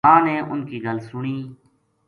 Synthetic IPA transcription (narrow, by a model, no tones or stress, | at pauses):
ãːneːʔʊnkiːɡəlsʊɳiː